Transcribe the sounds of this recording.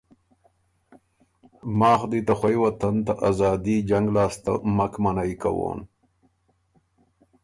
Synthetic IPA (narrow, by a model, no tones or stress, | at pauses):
mɑːxd̪it̪axwajwat̪ant̪aʔazɑːd̪id͡ʒaŋɡlɑːst̪a̰makmanajka̰wo̰n